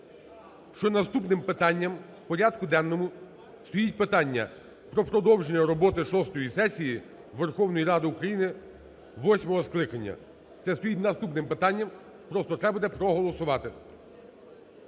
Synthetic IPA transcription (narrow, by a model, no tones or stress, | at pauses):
ʃt͡ʃɔnɐst̪upnɪmpɪt̪ɑnʲːɐm | pɔɾʲad̪kʊd̪ɛnːɔmʊ | st̪ɔjitʲpɪt̪ɑnʲːɐ̰ | pɾɔpɾɔd̪ɔwʒenʲːɐɾɔbɔt̪ɪʃɔst̪ɔjisɛsʲiji | ʋerxɔwnɔjiɾɑd̪ɪʊkɾɐjinɪ | ʋɔsʲmɔɦɔsklˠɪkɐnʲːɐ̰ | t̪sɛst̪ɔjitʲnɐst̪upnɪmpɪt̪ɑnʲːɐm | pɾɔst̪ɔt̪ɾɛbʊd̪ɛpɾɔɦɔlˠɔsʊʋɑt̪ɪ